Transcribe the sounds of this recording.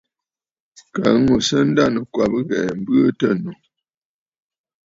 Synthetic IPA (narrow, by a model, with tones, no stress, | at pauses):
ka˨˦ŋu˨sə˦n̩˦da˦˨nə˨kwa˨bɨ˦ɣɛ˨m̩˦bə˦tə˦˨nu˨